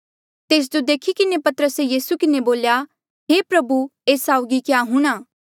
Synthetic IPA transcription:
t̪eːs̬d͡ʒod̪eːkʰikɪnepɐt̪əɾəsejiːsukɪneboːlja | ɦepɾɐbueːsaːʊɡikjaɦũɽ̃aː

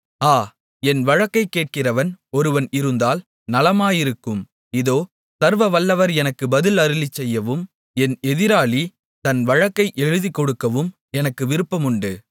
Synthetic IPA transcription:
aː | ɛnʋɐɻɐkːɐɪkːeːʈ̚kɪrɐʋɐnɔɾɯʋɐnɪɾɯnd̪aːl | nɐlɐmaːjɪɾɯkːɯm | ɪðoː | sɐɾʋɐʋɐlːɐʋɐɾɛnɐkːɯbɐðɪlɐɾɯlit͡ʃːɛjːɐʋɯm | ɛnɛðɪɾaːɭi | t̪ɐnʋɐɻɐkːɐɪʔɛɻɯðikːɔɽɯkːɐʋɯm | ɛnɐkːɯʋɪɾɯpːɐmʊɳɖɯ

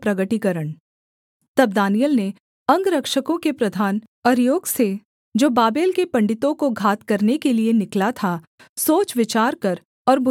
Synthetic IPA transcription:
pɾɐɡəʈikɐɾəɳ | t̪ɐb̚d̪aːnijəlne | ɐ̃ŋɡɾɐkʃəkõkepɾɐd̪ʱaːn | ɔːɾjoːɡse | d͡ʒoːbaːbeːlkepɐ̃ɳɖɪt̪õkoɡʱaːt̪kɐɾnekelienɪklat̪ʰa | soːt͡ʃʋɪt͡ʃaːɾkɐɾ | ɔːɾbʊ

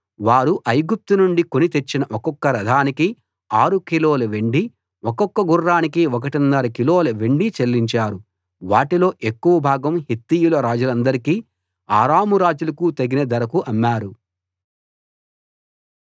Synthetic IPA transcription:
ʋaːɾuʔɐjɡup̚t̪unuɳɖiko̞nit̪e̞t͡ʃːinɐʔɔkɔkːɐɾɐd̪ʱaːniki | aːɾukiloːlɐʋe̞ɳɖi | ɔkɔkːɐɡurːaːnikiɔk̬ɐʈinːɐɾɐkiloːlɐʋeɳɖit͡ʃelːiɲt͡ʃaːɾu | ʋaːʈilo̞ːʔekːuʋɐbʱaːɡɐmhet̪ːiːjulɐɾaːd͡ʒulɐnd̪ɐɾikiː | aːɾaːmuɾaːd͡ʒulɐkut̪ɐɡinɐd̪ɐɾɐkuʔɐmːaːɾu

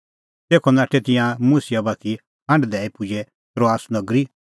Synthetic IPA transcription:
t̪eːkʰɔnaːʈʰɛt̪ɪ̃jãmusijabaːt̪ʰi | ɦɐ̃ɳɖd̪ɛːipʊd͡ʒɛ | t̪ɾoaːsnɐɡɾi

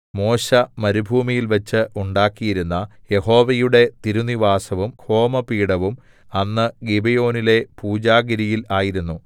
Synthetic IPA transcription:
mo̞ːɕɐmɐɾubʱuːmijilʋɐt͡ɕːɨʔuɳɖaːkːijiɾunːɐje̞ho̞ːʋɐjuɽe̞t̪iɾuniʋaːsɐʋumkʰo̞ːmɐpiːɽɐʋum | ɐnːɨɡibejo̞ːnile̞puːd͡ʑaːɡɐɾijilaːjiɾunːu

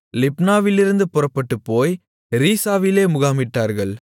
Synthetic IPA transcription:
lɪpnaːʋɪlɪɾɯnd̪ɯpʊrɐpːɐʈːɯpːoːj | ɾiːsaːʋɪleːmʊɣaːmɪʈːaːɾɣɐɭ

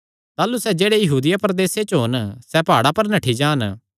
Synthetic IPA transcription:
t̪aːlusɛd͡ʒeːɽejɐɦuːd̪ɪjapɾɐd̪eːset͡ʃɦonsɛpaːɽapɐɾnɐʈʰid͡ʒãːn

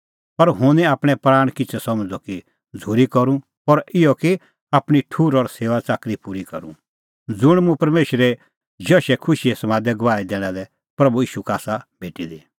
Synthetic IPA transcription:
pɐɾɦʊ̃nĩaːpɽ̃ɛpɾaːɽ̃kɪt͡sʰɛsɐmd͡zɔki | d͡zʱuːɾikɐɾũ | pɔɾɪjɔki | aːpɽ̃iʈʰuːɾɔɾseːʋat͡saːkɾipuːɾikɐ̰ɾṵ̃ | d͡zʊɽ̃mũpɐɾmeːʃɾɛ | d͡ʒɔːʃɛkʰʊʃiɛsɐmãːd̪ɛɡɐʋaːid̪eːɽ̃ãlɛ | pɾɐbuiːʃukaːsabʱeːʈid̪i

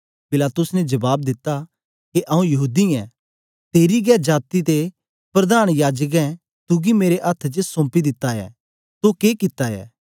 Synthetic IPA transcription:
pɪlaːt̪ʊsnɛd͡ʒɐbaːb̚d̪ɪt̪ːa | keʔɐũjɐɦuːd̪iɛ | t̪eːɾiɡɛːd͡ʒaːt̪it̪e | pɾɐd̪aːɽ̃jaːd͡ʒək̬ɛ̃ | t̪ʊɡimeːɾeʔɐt̪ʰt͡ʃəsõːmpid̪ɪt̪ːaɛ̰ː | t̪okeːkɪt̪ːaɛ̰ː

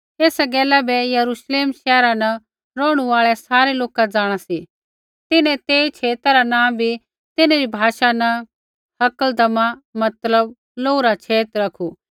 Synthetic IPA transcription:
eːsɛɡɛːlɛbɛjɐɾuʃleːmʃɛːɾanɐ | ɾɔːɽ̃uaːɭɛsaːɾeloːkad͡zaːɽ̃asi | t̪ɪnɛ̃t̪eːit͡ʃʰeːt̪aɾanãːbʱi | t̪ɪnẽɾibʱaːʃanɐ | hɐkəld̪ɐmãmɐt̪ləb | loːuɾat͡ʃʰeːt̪ɾɐkʰu

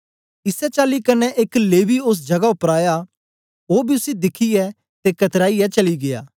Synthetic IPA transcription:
ɪsɛt͡ʃaːlikɐnɛʔekleːʋiʊs̬d͡ʒɐɡaʊpɾaːja | oːbʱiʊsid̪ɪkʰijɛ | t̪ekɐt̪ɾaːiɛt͡ʃɐliɡeja̰ː

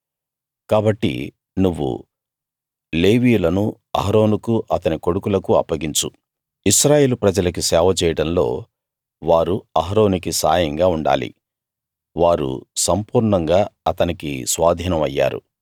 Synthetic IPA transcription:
kaːbɐʈːḭ | nuʋːṵ | le̞ːʋiːjulɐnu | ɐ̰ɦɾo̞ːnukuʔɐt̪ɐniko̞ɽukulɐkuɐ̰pːɐɡiɲt͡ʃu | iʃɾaːjeːlupɾɐd͡ʒɐlɐkusɛːʋɐt͡ʃɛːjɐɽɐnlo̞̰ː | ʋaːɾuɐɦɐɾo̞ːnikisaːjɐŋɡaːuɳɖa̰ːlḭ | ʋaːɾṵsɐmpuːɾɳɐŋɡaːɐt̪ɐnikḭsʋaːd̪ʱiːnɐmɐjːa̰ːɾṵ

